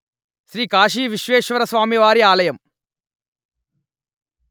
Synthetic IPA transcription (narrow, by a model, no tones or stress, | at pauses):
ʃɾiːkaːʃ̬iːʋiʃʋeːʃʋɐɾɐsʋaːmiʋaːɾiaːlɐjɐm